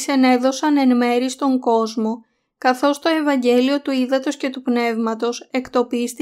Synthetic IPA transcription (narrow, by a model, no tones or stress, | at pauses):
sene̞ðo̞sɐne̞nme̞ɾist̪o̞ŋko̞zmo̞ | kɐθo̞st̪o̞e̞vɐɲɟe̞lio̞t̪uiðɐt̪o̞sce̞t̪upne̞vmɐt̪o̞se̞kt̪o̞pist̪i